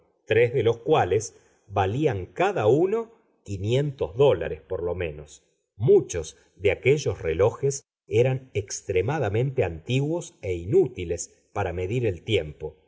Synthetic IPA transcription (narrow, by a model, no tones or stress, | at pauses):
t̪ɾezðelo̞skwales | βaliaŋkaðauno | kinje̞nt̪ozðo̞la̰ɾespo̞ɾlo̞mẽ̞nos | mut͡ʃo̞s | ðeakeʒo̞srelo̞xes | eɾanekst̪ɾemaðamẽ̞nt̪eant̪iɣwo̞seinut̪iles | paɾame̞ðiɾe̞lt̪je̞mpo̞